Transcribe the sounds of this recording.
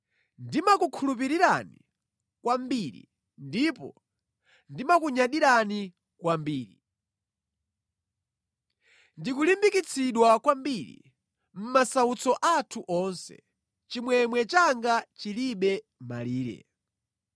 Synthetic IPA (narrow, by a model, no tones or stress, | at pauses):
ndimakukʰulup̬iɾiɾanḭ | kwambiɾḭ | ndipɔ̰ | ndimakuɲaɗiɾani | kwambiːɾi | ndikulimbikit͡sʰiɗwakwambiɾḭ | m̩masaut͡sɔʔatʰuʔɔnsɛ̰ | t͡ʃimwɛmwɛt͡ʃaŋɡat͡ʃiliɓɛ | ma̰liːɾɛ̰